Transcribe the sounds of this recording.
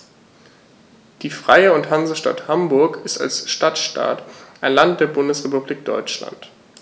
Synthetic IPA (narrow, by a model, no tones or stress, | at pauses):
d̥iːfʁ̥aɪəʊnthanzəʃta̰thambʊɐkɪsta̰lsʃtatʃta̰ːtʔaɪnlant̚d̥eːɐbʊndəsʁepubliːk̚d̥ɔ̰ʏt͡ʃla̰nt